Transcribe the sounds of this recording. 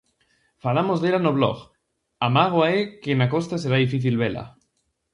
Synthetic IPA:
falamozðeɾanoβlɔ̰ɣ | amaɣ̞waekenakost̪as̬eɾaðifiθilβela̰

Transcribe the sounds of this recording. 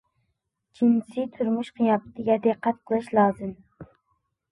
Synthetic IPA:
t͡ʃʰinsɪt̪ʰuɾmuʃqʰijɑpɨ̥t̪ʰɪɡʲɛd̪ɨqːæt̪qʰəlˠɨʃlˠɑːzɨm

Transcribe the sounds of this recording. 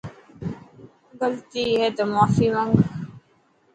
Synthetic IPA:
ɡəlt̪iɦet̪əmaːfimɐŋɡ

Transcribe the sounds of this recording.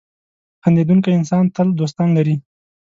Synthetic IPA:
xand̪ed̪uŋkajɪnsɑnt̪əld̪os̬t̪ɑnlaɾi

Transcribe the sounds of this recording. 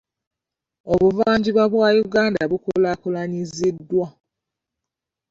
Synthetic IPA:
oβuvaːɲɟiβwaβwaːjuɡaːndaβukulakulaɲizidːwa

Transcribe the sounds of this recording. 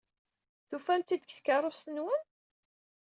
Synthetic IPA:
θufæmt̪ːid̪kθkərˤost̪ənwən

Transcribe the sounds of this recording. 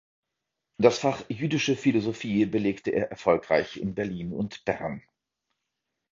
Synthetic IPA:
d̥asfaχjyːdɪʃəfilozofiːbəleːktəʔḛːɐʔɛɐfɔlkʁ̥a̰ɪçɪ̰nbɛɐliːnʊ̰ntb̥ɛɐn

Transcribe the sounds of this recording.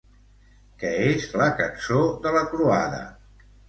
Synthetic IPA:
kɛezləkənsoðələkɾuaðə̰

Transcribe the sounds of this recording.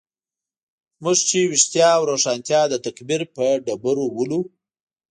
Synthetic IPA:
mʊʒt͡ʃewɪʂt̪jɑːwɾoʂɑnt̪jɑd̪ət̪akbiɾpəɖabaɾowəlu

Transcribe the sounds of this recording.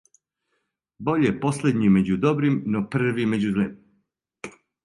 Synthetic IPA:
bo̞ʎepo̞sled̪ɲime̞d͡ʑud̪o̞bɾimnopr̩ʋime̞d͡ʑuzle

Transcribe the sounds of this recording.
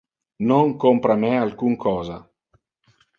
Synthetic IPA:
noŋkompɾamɛalkuŋkʰɔːza

